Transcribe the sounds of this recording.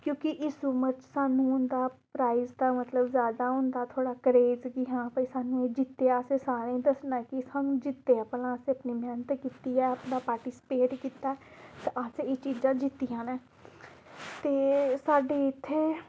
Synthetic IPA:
kjõːkɪʔɪsumət͡ʃsaːnũːʊnd̪aːpɾaːɪzd̪aːmət̪ləbzjaːd̪aːɦʊ̃nd̪aːt̪ʰoːɽaːkəɾeːd͡ʒkiɦãːpəisaːnũːeːd͡ʒɪt̪ːeaseːsaːɾẽːĩd̪əsnakɪsaːnũːd͡ʒɪt̪ːeːəplãːseəpniːmʱɛːnət̪kiːt̪iːɛːəpnaːpaːɾʈɪsɪ̥peːʈkiːt̪ːaɛt̪aʔaseeːt͡ʃiːd͡ʒãːd͡ʒɪt̪ːijãːnɛː | t̪eːsaːɖeːɪt̪ʰːeː

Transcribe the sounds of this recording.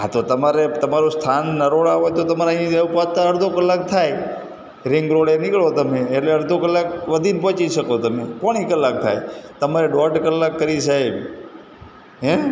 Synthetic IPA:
at̪ot̪əmaɾet̪əmaɾust̪ʰanːəɾoɭaɦojt̪ot̪əmaɾeəɦĩeupat̪aəɾd̪ʱokəlːak̚t̪ʰaj | ɾɪŋɡɾoɭenɪkɭot̪əmeːʈleəɾd̪ʱokəlːak̚ʋəd̪ʱinpɔ̃t͡ʃiʃəkot̪əmepɔɽ̃ikəlːak̚t̪ʰa̰jt̪əmaɾeɖɔɾʈkəlːakːəɾiʃaj | ɦɛ

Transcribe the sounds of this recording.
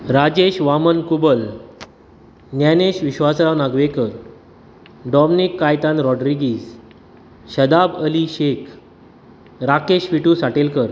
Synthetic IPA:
ɾad͡ʑeɕʋamənkubəl | njaneɕʋiɕʋasɾanaɡʋekəɾ | ɖɔmnikːajt̪anɾɔɖɾiɡiːs | ɕəd̪abəliɕekʰ | ɾakeɕʋiʈuːsaʈelkəɾ

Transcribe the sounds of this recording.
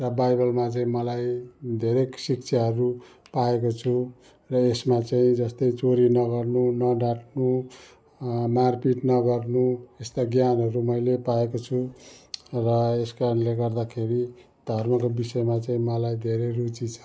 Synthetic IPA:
rʌbajbʌlmat͡saĩmʌlajd̪ʱeɾesikt͡sʰaɦʌɾu | paekot͡sʰu | rʌesmat͡saĩd͡zʌst̪ʌjt͡soɾinʌɡʌrnunʌɖaʈnu | marpiʈnʌɡʌrnuest̪aɡjanɦʌɾumʌjlepaekot͡sʰu | rʌeskanleɡʌrd̪akʰeɾi | d̪ʱʌrmʌkobisʌemat͡saĩmʌlajd̪ʱeɾerut͡sit͡sʰʌ̥

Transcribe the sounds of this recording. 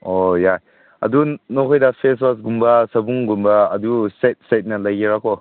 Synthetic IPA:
ojaj | ɐ̰dunokʰojdɐpʰeswas̬ɡumbɐsɐbuŋɡumbɐːdusajt̚sajt̚nɐlajɡeɾakʰo

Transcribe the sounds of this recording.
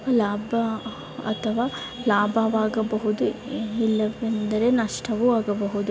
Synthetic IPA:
laːbʱɐ | ɐ̰t̪ʰɐʋaː | laːbʱɐʋaːɡɐbɐɦud̪uilːɐʋend̪ɐɾe̞nɐʂʈʰɐʋuaːɡɐbɐɦud̪u

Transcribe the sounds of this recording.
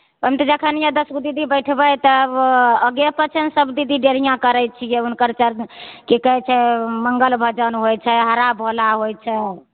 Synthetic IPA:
pəmt̪d͡ʒəkʰənijãd̪əskd̪id̪ibəjʈʰbəjt̪ɔəɡepət͡ʃʰənsəbd̪id̪iɖeɾijãkəɾɛjt͡ʃʰijɛunkəɾt͡ʃəɾkikəɦɛt͡ʃʰɛməŋɡəlbʱəd͡ʒənɦojt͡ʃʰɛɦəɾabɦolaɦojt͡ʃʰɛ

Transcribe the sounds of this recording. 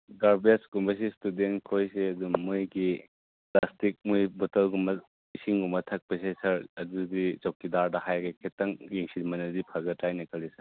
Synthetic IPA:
ɡaɾbeskumbɐs̬istudentkʰojseɐdummujɡi | plastik̚mujbotɐlɡumɐ | isiŋɡumɐtʰɐk̚pɐsesɐɾɐdudit͡ʃawkidaɾdɐhajɡekʰetɐŋjiŋsinmɐnɐdipʰɐɡɐtːajnɐkʰɐlisɐ

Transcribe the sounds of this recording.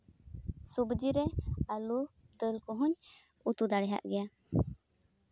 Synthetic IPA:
subd͡ʒiɾɛalu | d̪əlkɔɦuɲ | ut̪ud̪aɽɛɦa̰ʔɡɛja

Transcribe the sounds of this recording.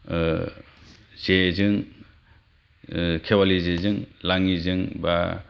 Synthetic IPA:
z̥ezɯŋ | kʰewalizezɯŋlaŋizɯŋba

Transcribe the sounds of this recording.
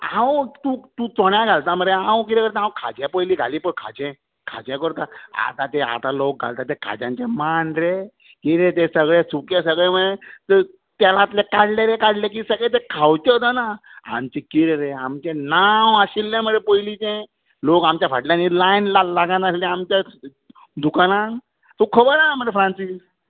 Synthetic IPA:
ãwt̪uːt̪ũt͡sɔɽjãɡʱalt̪aməɾeɦãwkit̪ɛ̃kəɾt̪ãɦãwkʰa̰d͡ʑɛ̃pojliːɡʱa̰liːpəkʰa̰d͡ʑɛ̃ | kʰa̰d͡ʑɛ̃kəɾt̪aa̰t̪at̪ea̰t̪alok̚ɡʱa̰lt̪at̪ekʰa̰d͡ʑã̰ɲt͡ɕẽmanɾe | kiɾẽt̪̬esəɡɭẽsukẽsəɡɭeməɽet̪əɾ | t̪jalat̪lekaɽleɾẽkaɽlẽk̬isəɡɭet̪ekʰawt͡ɕ̪et̪əna | a̰mt͡ɕẽkiɾɾeamt͡ɕẽnawəɕilːẽməɽepojlit͡ɕẽ | lokamt͡ɕjafəʈljãnilajnlalaɡãnaslɛ̃amt͡ɕja | d̪ukanãn | t̪ũkʰəbəɾaməɾefʰɾãnsis

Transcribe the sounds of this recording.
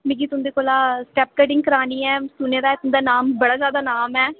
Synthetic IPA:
mẽɡit̪ʊmd̪eːkoːlaːsʈɛːp̚kəɖɪŋɡkəɾaːniːɛːsʊneːd̪aːɛːt̪ʊmd̪aːnaːmbəɽaːzjaːd̪aːnaːmɛː

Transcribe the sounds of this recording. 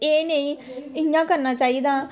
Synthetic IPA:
eːneĩːɪãːkəɾnaːt͡ʃaːiːd̪ãː

